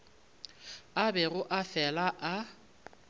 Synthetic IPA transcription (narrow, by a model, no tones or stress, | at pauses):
abɛɣʊʔafɛlaʔa